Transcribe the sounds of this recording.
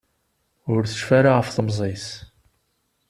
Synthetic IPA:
ʊɾθə̥ʃfaɾaʁəfθəmzˤis

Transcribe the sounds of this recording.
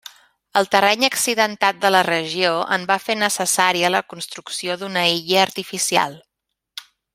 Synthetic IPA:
əlˠt̪ərɛɲəksiðənt̪at̪̚d̪ələrəʒioʔə̰mbafenəsəsaɾiələkunst̪ɾuksioðunəiʎəːɾt̪ifisia̰lˠ

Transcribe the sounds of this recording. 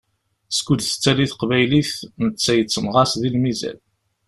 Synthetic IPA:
skʷːud̪θə̥t͡sːæliθqvæjliθnət͡sːæjət͡sːəmʁɑsðilmizæ̰l

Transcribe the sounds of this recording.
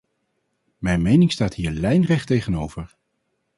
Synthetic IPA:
mɛjnmejnɪŋstaːthɦiːɹlɛjnrɛχtejχənowvəɹ

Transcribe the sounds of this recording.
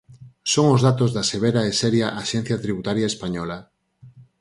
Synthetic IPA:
soŋozðat̪ozðaseβ̞eɾaeseɾjaʔaʃɛn̟θjat̪ɾiβut̪aɾjaespaɲɔla

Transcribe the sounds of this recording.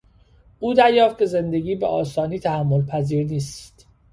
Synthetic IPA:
ʔuːd̪æɾjɒːft̪̚cʰe̞ze̞nd̪e̞ɡʲiːbḛʔɒːsɒːniːt̪ʰæhæmːolpʰæziːɾniːst̪

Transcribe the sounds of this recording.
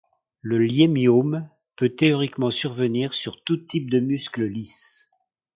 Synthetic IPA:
ləljemjom | pøt̪eɔʁikmɑ̃syʁvəniʁsyʁt̪ut̪ip̚d̪əmyskləlis

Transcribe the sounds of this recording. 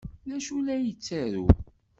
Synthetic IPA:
næʃulæjət͡sːæɾṵ

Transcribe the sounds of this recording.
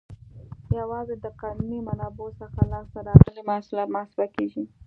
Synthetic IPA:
jawɑzed̪əqɑnunimanɑbosəxalɑst̪aɾɑɣəlimahsulɑt̪mahsɪbakeʒi

